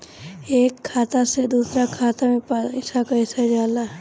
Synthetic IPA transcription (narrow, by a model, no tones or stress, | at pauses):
eːkʰːaːt̪ased̪uːsɾakʰaːt̪amẽpɪsakaɪsad͡ʒaːla